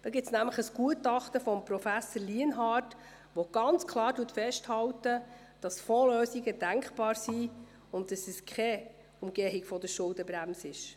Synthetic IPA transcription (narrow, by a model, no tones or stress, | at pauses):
d̥ɑɡɪp̚snæmləχəsɡ̥uətɑχtəfɔmpɾɔfæsəɾliənɦɑːrt | ʋoɡ̥ɑnt͡skʰlˠɑːɾduətfɛʃthɑwtə | d̥ɑsfɔːløːsiɡədæŋkχb̥ɑːɾsi | ʊnt̚dɑsɛskʰχɛ | ʊmɡ̥eɦɪɡfɔdəɾʃʊldəbɾæmsɪʃ